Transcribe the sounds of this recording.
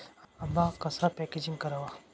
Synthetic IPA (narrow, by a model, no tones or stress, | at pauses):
ɐmãkɐsɾapɛːkeːd͡ʒĩŋɡkɐɾaʋa